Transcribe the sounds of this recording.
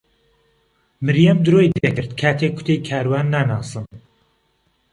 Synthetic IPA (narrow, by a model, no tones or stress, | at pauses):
mɨɾjɐmd̪ɨɾojd̪ekɨɾt̪kʰaːt̪ʰeːk̚kʰːʊ̥t̪ʰejkʰaːɾwaːnːaːnaːsɨn